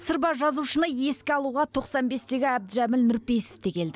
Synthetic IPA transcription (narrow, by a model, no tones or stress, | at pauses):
səɾbɑʒɑzuʃənəje̞skʲɪɑlˠuʁɑt̪ʰo̞qsɑnbe̞st̪e̞ɡʲɪæbd̪ɪʒæmɪlnʊɾpe̞jse̥ft̪ekʲʰe̞ld̪ɪ